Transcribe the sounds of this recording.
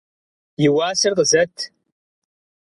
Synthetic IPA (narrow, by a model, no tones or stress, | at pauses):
jɪwaːsɨrqəzɐtʰ